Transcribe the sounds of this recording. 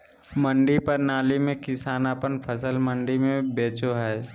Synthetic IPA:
mə̃ɳɖipəɾnaːlimẽkɪsaːnaːpənpʰəsəlmə̃ɳɖimẽbeːt͡ʃoɦɛː

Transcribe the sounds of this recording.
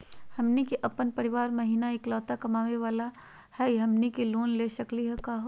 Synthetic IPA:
hɐmnikiʔɐpənpɐɾɪʋaːɾmɐɦiːnaeːklɔːt̪akɐmaːʋeʋaːla | hɛiɦɐmnikiloːnleːʃɐkliɦɛkaːɦo

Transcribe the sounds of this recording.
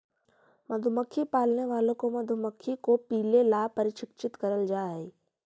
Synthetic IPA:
mɐd̪ʱʊməkʰːipaːlneʋaːlõkomɐd̪ʱʊməkʰːikopiːlelaːpɐɾɪt͡ʃʰɪk̚t͡ʃɪt̪kɐɾəld͡ʒaːeː

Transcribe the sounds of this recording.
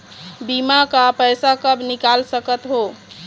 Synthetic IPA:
bimakapəjsakəbnikalsəkət̪ɦo

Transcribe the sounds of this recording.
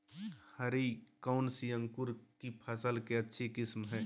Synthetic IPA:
həɾikaʊnsijə̃ŋkʊɾkipʰasəlkeɐtːʃʰekɪsmɦɛː

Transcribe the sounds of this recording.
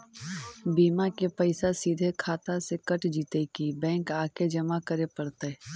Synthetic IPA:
biːmakepəɪsasiːd̪ʱekʰaːt̪asekəʈd͡ʒiːt̪ekibɛ̃ːŋkaːked͡ʒɐmakəɾepɐɾt̪e

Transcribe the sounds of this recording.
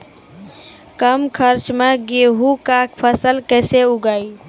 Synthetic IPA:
kəmkʰəɾt͡ʃmeɡeɦukakpʰəsəlkəseuɡəi

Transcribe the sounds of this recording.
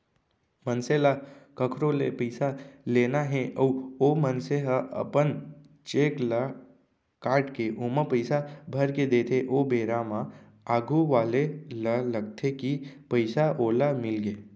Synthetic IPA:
mənselakəkʰɾolepəɪsalenaɦẽʔəuomənseɦaʔə̰pən | t͡ʃeːkla | kaːɾʈkeʔoməpəɪsabʱəɾked̪et̪ʰeʔobeːɾamã | aːɡuʋaːlelaləɡt̪ʰekipəɪsaʔoːlamɪlɡeː

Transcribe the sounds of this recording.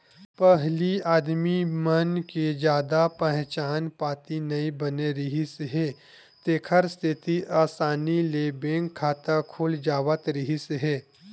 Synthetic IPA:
pəɦliaːd̪mimɐnked͡ʒjaːd̪apəɦt͡ʃaːnpaːt̪inɐĩbɐneɾɐɦiseɦɛː | t̪eːkʰəɾst̪ʰɪt̪iʔaːsaːnileːbẽːŋɡkʰːaːt̪akʰʊːld͡ʒaːʋət̪ɾɐɦiseɦɛː

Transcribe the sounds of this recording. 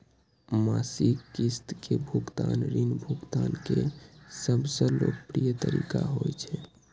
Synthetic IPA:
masikːist̪kebʱukt̪anɾinbʱukt̪ankesəbsə̃lokpɾijət̪əɾikaɦojt͡ʃʰɛ

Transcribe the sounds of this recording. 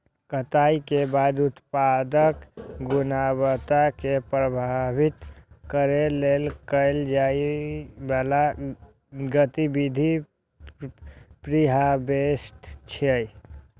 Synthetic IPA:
kət̪aikebad̪ut̪pad̪əkɡunaβət̪akepɾəbʱabʱit̪kəɾelelkəɪld͡ʒaibala | ɡət̪ibid̪ʱi | pɾiɦabesʈt͡ʃʰəj

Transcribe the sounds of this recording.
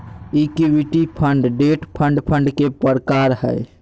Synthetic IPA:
ikiwiʈipʰə̃ɳɖɖeːʈpʰə̃ɳɖpʰə̃ɳɖkepəɾkaɾɦɛ̰e

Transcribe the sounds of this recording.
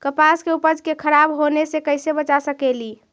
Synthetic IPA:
kəpaskeupəd͡ʒʱkekʰəɾabɦonesekəɪsebət͡ʃasəkeli

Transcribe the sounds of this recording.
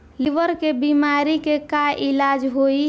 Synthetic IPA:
liʋəɾkebimaːɾikekaʔɪlaːd͡ʒɦoi

